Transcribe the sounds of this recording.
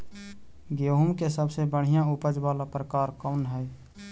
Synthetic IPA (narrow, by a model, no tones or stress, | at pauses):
ɡjoɦumkesəbsebəɽ̤ijãupəd͡ʒbalapɾəkaɾkɔʊnɦəj